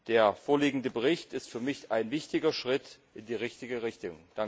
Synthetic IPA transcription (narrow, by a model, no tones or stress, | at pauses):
d̥eːɐfoːɐliːɡŋ̩dəbəʁɪçtɪstfyːɐmɪçaɪnvɪçtɪɡɐʃʁ̥ɪt | ɪndiːʁɪçtɪɡəʁɪçtʊŋd̥aŋ